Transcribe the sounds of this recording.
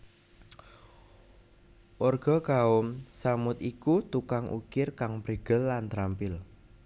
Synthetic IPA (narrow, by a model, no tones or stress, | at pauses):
ʔorɡ̥ɔ̤ɡ̥aʊmsamʊt̪ikut̪ukaŋʔṵkɪrkaŋbɾeɡ̥əlːant̪ɾampɪl